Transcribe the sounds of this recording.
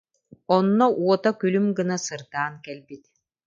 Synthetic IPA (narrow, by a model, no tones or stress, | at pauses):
ɔnːɔʔuɔt̪akylymɡɯnasɯɾt̪aːnkɛlbit̪